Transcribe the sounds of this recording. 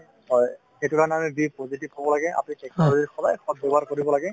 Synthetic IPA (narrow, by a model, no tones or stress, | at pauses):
ɔj | xetukanamɛbipozitibɦobɔlaɡɛa̰pnikɛk̚azixɔdajxɔd̚bɛbɔɦaɹkoɹibɔlaɡɛ